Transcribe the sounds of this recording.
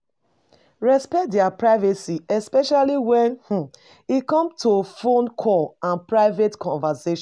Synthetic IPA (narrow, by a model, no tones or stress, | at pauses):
ɹɛspɛk̚dɛapɹaɪvɛsiʔɛspɛʃaliwɛ̃nh̩ | ikɔ̃mtʰofõnkʰɔlãnpɹaɪvetkʰɔ̃nvaseʃ